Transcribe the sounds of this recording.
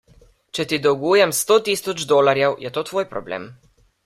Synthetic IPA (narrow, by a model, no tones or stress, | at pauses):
t͡ʃɛt̪id̪ɔwɡujɛmst̪oːt̪iːsɔd͡ʒd̪oːlaɾjɛwjɛt̪oːt̪ʋoːjpɾɔblḛːm